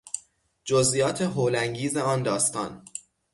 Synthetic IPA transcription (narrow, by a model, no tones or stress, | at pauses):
d͡ʒozʔijɒːt̪ʰe̞ɦoːlæŋɟiːzeɒːnd̪ɒːst̪ɒ̰ːn